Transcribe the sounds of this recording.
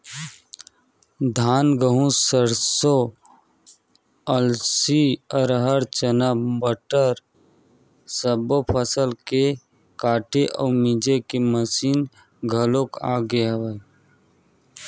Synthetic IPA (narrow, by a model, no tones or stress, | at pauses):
d̪ʱaːnɡəɦũsəɾso | əlsiɔɾɦəɾt͡ʃənəbəʈəɾ | səbopʰəsəlke | kaːʈʰeʔɔːɾmid͡ʒekeməsiːn | ɡʱəloka̰ːɡeɦəwe